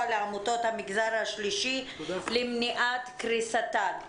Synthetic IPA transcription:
leamutot̪hamiɡzaʁhaʃliʃi | limniʔat̪kʁisat̪al

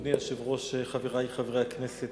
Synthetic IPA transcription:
niaʃevʁo̞ʃeχaveʁaiχavʁejaknese

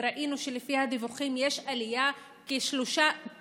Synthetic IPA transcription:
ɾaʔinuʃelefihad̪ivuχimjeʃalija | keʃloʃa

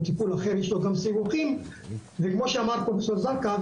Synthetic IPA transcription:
t̪ipulaχe̞ʁjeʃloɡamsivuχimvekmo̞ʃeamaʁpofesoʁzaka

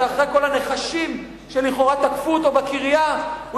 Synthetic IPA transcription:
aχʁejko̞lane̞χaʃim | ʃeliχo̞ʁat̪akfuːt̪obakiʁjau

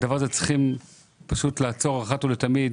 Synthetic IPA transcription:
davaʁazet͡si̥χim | paʃut̪laːt͡so̞ʁaχatulet̪amid̪

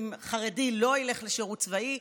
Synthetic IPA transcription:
mχaʁedilo̞ile̞χleʃeʁutt͡svai

